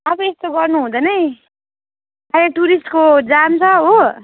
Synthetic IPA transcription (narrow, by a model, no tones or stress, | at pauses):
ʌbʌest̪oɡʌrnuɦũd̪ʌnʌj | aaʈuɾisʈkod͡zamt͡sʰʌɦo